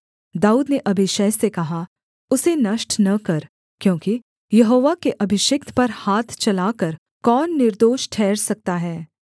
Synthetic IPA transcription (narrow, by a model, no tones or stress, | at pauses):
d̪aːuːd̪neʔɐbʱɪʃeːsekɐɦa | ʊsenɐʃʈnɐkɐɾ | kjõːki | jɐɦoːʋakeʔɐbʱɪʃɪk̚t̪ʰpɐɾhaːt̪ʰt͡ʃɐlaːkəɾ | kɔːnːɪɾd̪oːʃʈʰɛːɾsɐk̚t̪aɦɛː